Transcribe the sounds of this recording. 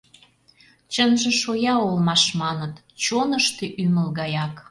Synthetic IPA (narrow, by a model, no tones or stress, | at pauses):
t͡ɕənʒĕʃojɑolmɑʃmɑnət̪ | t͡ɕonəʃt̪eʔyməlɣɑjɑk